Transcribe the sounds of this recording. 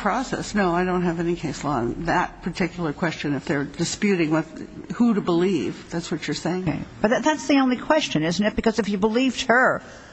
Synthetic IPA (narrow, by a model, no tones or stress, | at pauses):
pʰɹ̥ɔsɛ̰snoʊaɪɾõʊ̃nt̚ɦɨvɛnikʰeɪsl̩ˠə̃nðɨt̚pʰə˞tʰɪkjl̩ˠə˞kʰw̥ɛst͡ʃɨ̃nɨfðə˞dɨspjʉɾɪ̃ŋwɪðhuɾɨbəliv̥ðætswʌt͡ʃə˞seɪɪ̃ŋ̰ɪb̥ʌt̪̚ðɨt̪̚ðætsðiõʊ̃nlikʰw̥ɛst͡ʃɨ̃nɪzn̩ɨt̚b̥ɨkʌzɨfjɨbəlivd̥̚hə˞